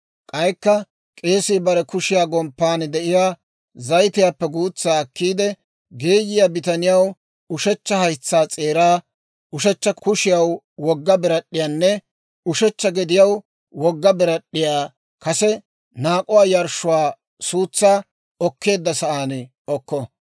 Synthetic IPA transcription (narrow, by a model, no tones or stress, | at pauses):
kʼɐjkːɐ | kʼe̞ːsɪːbɐɾɛkʊʃɪjaːɡɔmpːaːnd̪ɛʔɪjaː | zɐjt̪ɪjaːpːɛɡuːt͡sːaːɐkːiːd̪ɛ | ɡeːjɪjaːbɪt̪ɐnɪjɐw | ʊʃɛt͡ʃːɐhɐjt͡sːaːt͡sʼe̞ːɾaː | ʊʃɛt͡ʃːɐkʊʃɪjɐw | wɔɡːɐbɪɾɐɗːɪjaːnːɛ | ʊʃɛt͡ʃːɐɡɛd̪ɪjɐw | wɔɡːɐbɪɾɐɗːɪjaː | kɐsɛ | naːkʼʊwaːjɐɾʃʊwaː | suːt͡sːaː | ɔkːe̞ːd̪ːɐsɐʔaːn | ɔkːɔ